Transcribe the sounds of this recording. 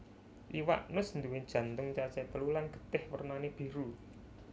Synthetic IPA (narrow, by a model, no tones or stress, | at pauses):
ʔiwa̰ʔnʊsnd̪uwɪd̥ʒ̥ä̤nt̪ʊŋt͡ʃat͡ʃɛt̪əlulanɡ̥ə̤̥t̪ɪhwərnaneb̥i̤ɾu